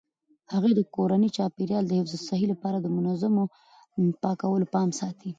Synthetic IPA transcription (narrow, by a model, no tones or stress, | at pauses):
haɣed̪əkoɾanit͡ʃɑpeɾjɑld̪əhɪfzəsaɦilapɑɾad̪əmʊnazamo | pɑkawəlopɑmsɑt̪ʰi